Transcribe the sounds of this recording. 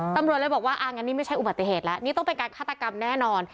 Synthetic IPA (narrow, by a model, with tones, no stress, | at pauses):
t̪a˧mɾt̪̚la˧˥˩bɔː˨˩k̚waː˥˩ʔa˧˩ŋa˧˥nːiː˥˩ma˥˩jt͡ɕʰa˥˩jʔu˨baː˨˩i˧˩ɦeː˨˩t̪̚lɛ˦˥ʔniː˦˥t̪ɔ˥˩ŋpe˧nkaː˧nkʰaː˥˩a˧ka˧mnɛː˥˩nɔː˧n